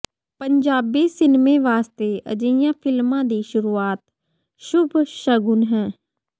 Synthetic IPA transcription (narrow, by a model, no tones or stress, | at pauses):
pəɲd͡ʒaːbiːsɪnmeːʋaːst̪eːʔə̰d͡ʒəjãːpʰɪlmãːd̪iːʃʊɾuːaːt̪ | ʃʊbʱʃəɡʊnɦɛ̃ː